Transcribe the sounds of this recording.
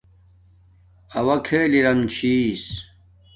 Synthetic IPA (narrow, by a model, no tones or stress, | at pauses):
ɐwɐkʰeːliɾɐmt͡ɕʰis